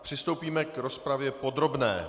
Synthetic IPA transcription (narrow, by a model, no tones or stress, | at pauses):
pr̥ɪst̪owpiːmɛkɾo̞spɾavjɛpo̞d̪ɾo̞bnɛ̰ː